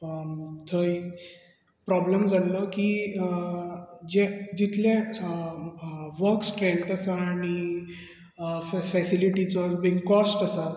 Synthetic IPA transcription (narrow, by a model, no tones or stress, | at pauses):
t̪ʰəj | pɾɔbləmd͡zalɔki | d͡ʑed͡ʑit̪ʰljẽ | ʋəɾksʈɾeɳʈəsaaːɽ̃i | fɛsiliʈit͡sɔbiŋɡkɔsʈəsa